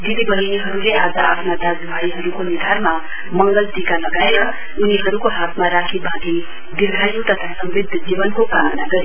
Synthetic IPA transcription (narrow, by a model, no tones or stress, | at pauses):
d̪id̪ibʌɦiniɦʌɾuleʔad͡zʌapʰnad̪aɡbʱaiɦʌɾukonid̪ʱanma | mʌŋɡʌlt̪ikalʌɡaeɾʌ | uniɦʌɾukoɦat̪ʰmaɾakʰibʱaɡi | d̪ilɡʱajũt̪ʌt̪ʰasʌmbid̪ʱd͡zibʌnkokanaɡʌɾe